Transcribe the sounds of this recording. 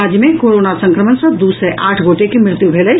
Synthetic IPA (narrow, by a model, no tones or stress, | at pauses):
aːd͡ʒjəmẽkoːɾoːnasə̃ŋkɾəmənsɐ̃d̪uːsɾeʔaːʈʰɡoːʈekimɾɪt̪jubʱeːlə